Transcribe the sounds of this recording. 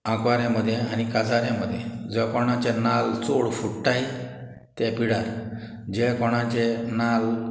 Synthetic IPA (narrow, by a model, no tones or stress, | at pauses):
ãkʋaɾjãməd̪ʱːjeañikasaɾjãməd̪ʱːjed͡zɛkɔɽ̃ãt͡ɕenalt͡soɽfuʈʈaj | t̪ɛpiɽaɾ | d͡ʑekɔɽ̃ãt͡ɕenal